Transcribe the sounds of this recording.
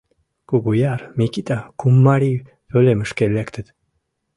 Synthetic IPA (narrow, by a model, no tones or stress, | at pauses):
kuɡujɑrmʲikit̪akumːɑɾi | tøleməʃkelekt̪ʰət̪